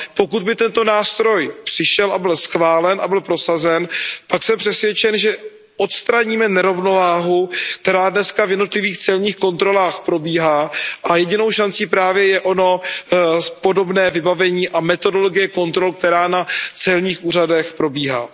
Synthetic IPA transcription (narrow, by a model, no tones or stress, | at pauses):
po̞kud̪bɪt̪ɛnt̪o̞naːst̪ɾo̞jpr̥ɪʃɛlabɪlsxvaːlɛnʔabɪlpɾo̞sazɛnpaksɛmpr̥ɛsvjɛt͡ʃɛnʒɛ | ʔot̪st̪ɾaɲiːmɛnɛɾo̞vno̞vaːɦukt̪ɛɾaːdnɛskavjɛdno̞t̪lɪviːxt͡sɛlɲiːxko̞nt̪ɾo̞laːxpɾo̞biːɦaːʔajɛɟɪno̞wʃant͡siːpɾaːvjɛjɛʔo̞no̞ | po̞do̞bnɛːvɪbavɛɲiːʔamɛt̪o̞do̞loɡɪjɛko̞nt̪ɾo̞lk̚t̪ɛɾaːnat͡sɛlɲiːxʔuːr̝adɛxpɾo̞biːɦa̰ː